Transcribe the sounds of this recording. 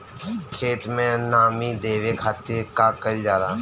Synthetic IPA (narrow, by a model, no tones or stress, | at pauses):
kʰeːt̪mẽnaːmid̪eːʋekʰaːt̪iɾkakəld͡ʒaːɾaː